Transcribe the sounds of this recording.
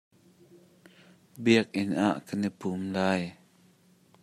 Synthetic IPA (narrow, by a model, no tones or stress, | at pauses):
biək̚ʔɪnʔa̰ʔkənipumlaːj